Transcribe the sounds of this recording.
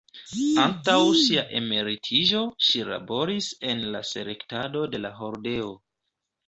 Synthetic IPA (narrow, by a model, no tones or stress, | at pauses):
antawʃiaʔe̞me̞ɾitʰiʒo̞ʃila̰bo̞ɾise̞nlase̞le̞ktado̞de̞laɦo̞ɾde̞o